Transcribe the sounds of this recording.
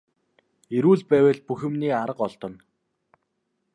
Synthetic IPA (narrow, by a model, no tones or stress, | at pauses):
eɾuːɮpæːwɘ̆ɮpuxɘ̆mniːaɾə̆qɔɮt̪ɞ̆n